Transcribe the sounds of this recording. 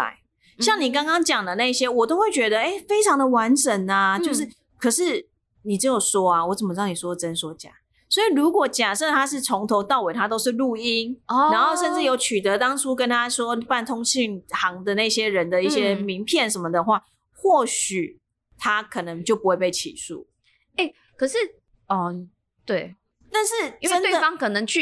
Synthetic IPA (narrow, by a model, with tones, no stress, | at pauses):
a̰˧ | ɕjɑ˥˩ŋni˨˩kɑ˥ŋkɑ˥ŋt͡ɕjɑ˨˩ŋd̪ə˦na˥˧i˧ɕjɛ˥wɔ˨˩t̪o˥ʊxwe˥˩t͡ɕɥɛ˧˥d̪ə˨e˥˩ɪfe˥ɪʈ͡ʂʰɑ˧˥ŋd̪ə˨wa˧˦nʈ͡ʂə˨˩na˨t͡ɕjo˥˧ʊʂ̬ɻ̩˥˩ | kʰɤ˨˩ʂɻ̩˥˩ | ni˨˩t͡sɻ̩˧˥jo˨˩ʊswɔ˥a˨wɔ˧˥t͡sə˨˩mə˩ɑ˥˩ŋni˨˩wɔ˥d̪ʈ͡ʂə˦nswɔ˥˩t͡ɕja̰˨˩˦ | swɔ˧˥i˨˩ɻu˧˥kwɔ˨˩t͡ɕja˨˩ʂə˥˩˥t̪ʰa˥ʂ̬ɻ̩˥˩t͡sʰɔ˧˥ŋt̪ʰo˧˥ʊt̪ɑ˥˩ʊwe˨˩ɪt̪ʰa˦˥t̪o˥ʊʂɻ̩˥˧lu˥˩i˦˥na˧˦nxo˥˧ʊʂə˥˧nʈ͡ʂɻ̩˥˩jo˧˥ʊt͡ɕʰy˨˩t̪ə˨˦t̪ɑ˥ŋt͡sʰu˥kə˦˥nt̪ʰa˦swɔ˦˥pa˥˩nt̪ʰo˥ŋt͡ɕʰi˥˩ŋxɑ˨˥ŋd̪ə˨na˥˩iɕjɛ˥ɻə˧˦nd̪ə˨i˥˩ɕjɛ˦mi˧˥ŋpʰjɛ˥˨nʂə˧˥nmə˨d̪ə˨xwa˥˩ | xwɔ˥˩ɕy˨˩ | t̪ʰa˦kʰɤ˨˩nɤ˧˦ŋt͡ɕjo˥˩ʊpu˨˦xwe˥˧ɪpe˥˩ɪt͡ɕʰḭ˨˩sṵ˥˩ | e˥˩ | kʰɤ˨˩ʂɻ̩˥˨ | ɔ˨˩ | t̪we˥˩ɪ | t̪a˥˧nʂɻ̩˥˩ə˦˥nwe˥d̪ə˨ɑ˦ŋkʰɤ˨˩nə˧˦ŋt͡ɕʰy˥˨